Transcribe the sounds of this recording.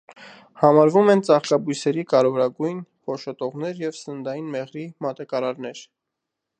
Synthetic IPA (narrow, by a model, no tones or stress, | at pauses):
hɑmɑɾvumɛnt͡sɑχkɑbujsɛɾikɑɾɛvɔɾɑɡujnpʰɔʃɔt̪ɔʁnɛɾjɛvsənd̪ɑjinmɛʁɾimɑt̪ɑkɑɾɑɾnɛɾ